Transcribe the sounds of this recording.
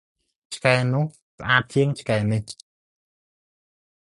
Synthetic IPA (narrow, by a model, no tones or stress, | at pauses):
t͡ɕʰkaɛnʊ̆əh | səʔaːt̪̚t͡ɕʰiəŋt͡ɕʰkaɛnih